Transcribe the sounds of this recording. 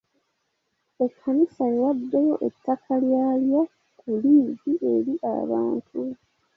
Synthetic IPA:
e̞kʰːanisaewadːejo̞ʔḛtːakʰaljaːlja | kuliːziʔe̞ɾiʔa̰βa̰ːntʰu

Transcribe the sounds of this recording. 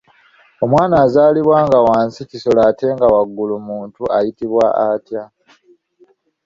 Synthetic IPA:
o̞mwaːnaːzaːliβwaːŋɡawaːnsiciso̞laːte̞ŋɡawaɡːulumuːntuajitiβwaatja

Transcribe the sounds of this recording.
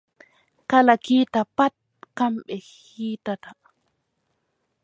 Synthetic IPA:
kalakiːt̪apat̪̚kamɓeh | iːt̪at̪a

